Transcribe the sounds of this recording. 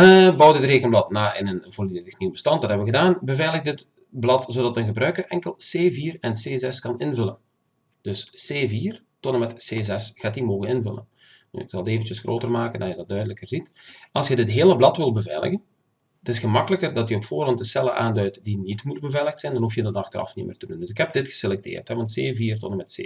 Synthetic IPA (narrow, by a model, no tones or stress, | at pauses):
əbɔwdɪtreːkənblɑtnaːʔɪ̰nənvoːrlidəxniwbəstɑntdɑtɦɛbəʋəɣədaːnbəvɛjləɣdɪt | blɑtzoːdɑtənɣəbrœɥkərɛŋkəlˠseːviːrɛnseːzɛskɑnɪnvɵlən | d̥ɵsseːviːr | tɔtəmɛtseːzɛsxaːtimoːɣənɪnvɵlə̰n | ny̰ːɪksɑlˠdeːvəntjəsxroːtərmaːkəndɑjədɑt̚dœɥdələkərzit | ɑlˠsjədɪtɦeːləblɑtʋɪlˠbəvɛjlə̰ɣən | tɪsxəmɑkələkərdɑtjəɔpfoːrɑntdəsɛlˠə̰ʔa̰ːndœɥtdinitmut̚bəvɛjləxtsɛjndɑnɦufjədɑnɑxtərɑ̰fnḭmɪ̰ːrtədundɵsɪkɦɛb̚dɪtxə̥selɛk̚tḛːrtɦɛʋɑntseːviːrtɔnəmɛtsḛː